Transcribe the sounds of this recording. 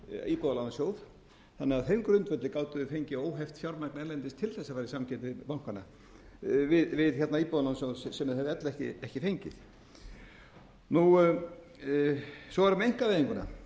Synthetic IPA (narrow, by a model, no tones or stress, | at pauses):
iːpɔðalansjoːwð | θanːɛɣaðheɥŋkɾʏnt̪vɛt̪lɪkaːwt̪ʏðʏfejɲcɪoːwɦɛft̪fjawɾmaknɛɾlɛnt̪ɪst̪ʰɪlθɛsafaːɾisamcʰɛt̪ɪpawŋ̥kvana | vɪðvɪðçɛɾt̪naðiːpɔðalansjowðsɛmðɛvɪɛt̪lɛhcɪ̰ɛhcɪfejɲcɪ̰θ | nu | sɔvaɾʏmɛejŋ̥kaveːðiŋkʏna̰